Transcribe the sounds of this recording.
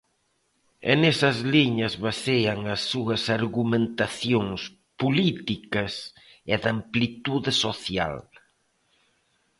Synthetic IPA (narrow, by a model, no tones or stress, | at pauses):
ḛnɛsɐzliɲɐzβaseɐŋɐsːuɐsaɾɣumẽnt̪aθjoŋs | pulit̪ikɐs | ɪðamplit̪uðɪsoθja̰l